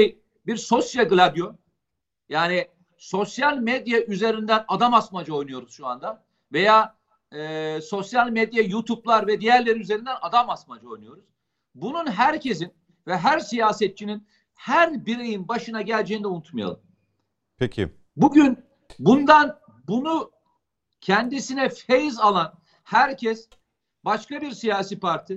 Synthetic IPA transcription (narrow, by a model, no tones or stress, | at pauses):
ʃej | biɾso̞sjaɡɯlʲabjo | jaːni | so̞sjalʲmed̪jaʔyze̞ɾind̪ænad̪amasmad͡ʒao̞jnujo̞ɾuz̥ʃua̰nd̪a | ve̞jaː | ɯːso̞sjalʲmed̪jajut̪ʰuplˠaɾvɛd̪ijæɾlʲe̞ɾiyze̞ɾind̪ɛnad̪amasmad͡ʒao̞jnujo̞ɾuz̥ | bununɦæɾcʰe̞zin | vɛɦæɾsijaːsɛt̪̚t͡ʃːʰinin | hæɾbiɾe̞jinbaʃɯnaɟælʲd͡ʒejind̪ɛunut̪maja̰lˠɯm | pʰecʰḭ | buɟyn | bund̪an | bunu | cʰɛnd̪isinɛfejizalˠan | hæɾcʰɛs | baʃkabiɾsijaːsiːpʰaɾt̪ʰi